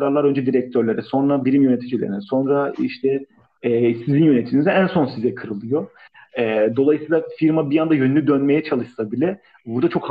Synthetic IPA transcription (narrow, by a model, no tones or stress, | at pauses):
ɾaɾlˠaɾø̞nd͡ʒɛd̪iɾɛc̚t̪ʰøɾlʲeɾɛso̞nɾabiɾimjøne̞t̪ʰid͡ʒilʲeɾininso̞nɾaḭʃt̪ʰɛ | sizinjø̞net̪ʰinizɛænso̞nsizɛkʰɯɾɯlˠɯjo̞ | ɛːd̪o̞lˠajɯsɯjlˠafiɾmabijand̪ajønynlʲyd̪ønme̞jɛt͡ʃʰalˠɯʃsabilʲɛ | buɾd̪at͡ʃʰkh